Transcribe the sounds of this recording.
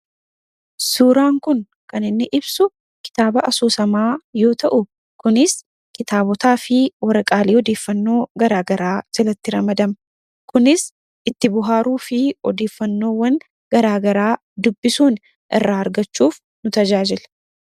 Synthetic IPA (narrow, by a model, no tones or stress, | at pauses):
suːɾaːŋkʊn | kɐnɪnːɪʔɪbsʊ | kɪ̥t̪aːbɐʔɐsuːsɐmaːjo̞ːt̪ɐʔʊ | kʊnɪs | kɪt̪aːbɔt̪aːfɪwɐɾɐkʼaːliːɔd̪e̞ːfːɐnːo̞ːɡɐɾaːɡɐɾaːd͡ʒ̥ɛlɐt̪ːɪɾɐmɐd̪ɐmɐ | kʊnɪs | ʔɪt̪ːɪbʊɦaːɾuːfɪɔd̪e̞ːfːɐnːo̞ːwɐŋ | ɡɐɾaːɡɐɾaː | d̪ʊbːɪsuːn | ʔɪ̰rːaːɐɾɡɐt͡ʃːuːf | nʊt̪ɐd͡ʒaːd͡ʒɪl